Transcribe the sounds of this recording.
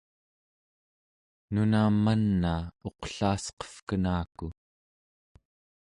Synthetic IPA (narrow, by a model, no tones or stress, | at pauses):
nunaːmːanːaːo̞qɬaːsqʌ̥fkənaːku